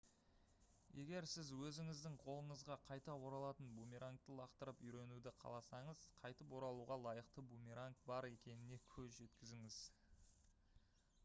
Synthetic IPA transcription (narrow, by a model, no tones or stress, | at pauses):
je̞ɡʲe̞ɾsɪzwɵzɪŋɪzd̪ɪŋqʰo̞lˠəɴəzʁɑqʰɑjt̪ɑwo̞ɾɑlˠɑt̪ənbumʲiɾaŋk̚t̪əlˠɑqt̪əɾəpʏjɾe̞nud̪ɪqʰɑ̰lˠɑsɑɴəz̥qʰɑjt̪əpwo̞ɾɑlˠuʁɑlˠɑjəqt̪əbumʲiɾaŋkbɑɾe̞kʲe̞nɪne̞kʲʰɵzʒe̞t̪kʲɪzɪŋɪz̥